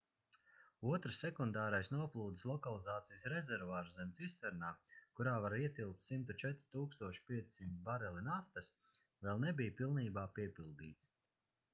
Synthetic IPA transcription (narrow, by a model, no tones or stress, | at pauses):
uɔt̪ɾsːɛkund̪aːɾajsnuɔplˠuːd̪islˠɔkalˠizaːt̪sijsɾɛzɛɾvaːɾszɛmʲt̪sissɛɾnaːkuɾaːvaɾiɛt̪ilˠk̚t̪simt̪ut͡ʃɛt̪ɾi̥t̪uːkst̪uɔʃi̥piɛt̪sʲsimt̪baɾɛlinaft̪as | vɛlˠnebijpilˠniːbaːpiɛpilˠd̪ḭːt̪s